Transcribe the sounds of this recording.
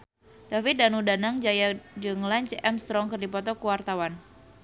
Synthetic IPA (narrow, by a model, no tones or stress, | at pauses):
d̥afit̪̚danudanaŋd͡ʒajad͡ʒɨŋlaɲt͡ʃɛmst̪ɾɔŋkɨrdipɔt̪ɔkuwart̪awan